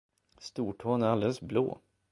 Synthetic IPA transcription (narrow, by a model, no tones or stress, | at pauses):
st̪uːʈʰoːnæɾald̪ɛləsblo̰ː